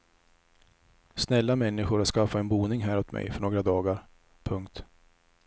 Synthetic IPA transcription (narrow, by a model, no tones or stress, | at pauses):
snɛlːamɛnːɪɧʊɾat̪skafaɛnbuːnɪŋɦæːɾɔt̪mɛ̰jfœɳoːɡɾad̪ɑːɡaɾ | pʰɵŋkt̪